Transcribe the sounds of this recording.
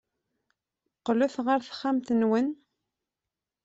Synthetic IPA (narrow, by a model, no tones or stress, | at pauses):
qːluθʁəɾθə̥χːæmt̪ənwən